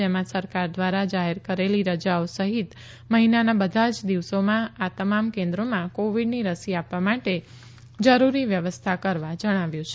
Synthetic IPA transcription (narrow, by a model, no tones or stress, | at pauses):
emãsəɾkaɾd̪ʋaɾad͡ʒaɦeɾkəɾeliɾəd͡ʒaosəɦit̪ | məɦinanabəd̪ʱad͡ʒd̪iʋsomãat̪əmamkẽnd̪ɾomãkoʋiɖniɾəsiapʋamaʈe | d͡ʒəɾuɾiʋjəʋəst̪ʰakəɾʋad͡ʒəɽ̃aʋjũt͡ʃʰe